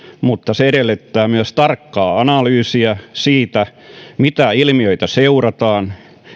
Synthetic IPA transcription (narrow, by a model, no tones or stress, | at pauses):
mut̪ːɑseeɾelːet̪ːæːmyæst̪ɑrkːɑːɑnɑlyːsiɑsiːt̪æmit̪æilmioit̪ɑseurɑt̪ɑːn